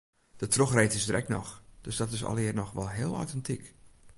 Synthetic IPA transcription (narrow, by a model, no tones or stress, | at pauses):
d̥ətroxrejtɪsdrʔɛ̰k̚nɔ̰xd̥øsdɔtɪsɔ̰lˠɪːərnɔxʋɔlˠɦɪːlˠo̰ɥtɛntʰik